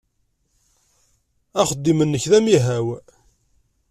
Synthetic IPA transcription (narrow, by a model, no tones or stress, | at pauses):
æχəd̪ːimənːəçðæmiɦæw